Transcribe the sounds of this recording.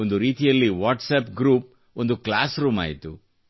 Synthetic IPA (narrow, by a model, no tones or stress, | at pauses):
ond̪uɾiːt̪ijɐlːiʋaːʈsɐːpɡɾuːp̚ | o̞nd̪uklaːsɾuːma̰ːjit̪u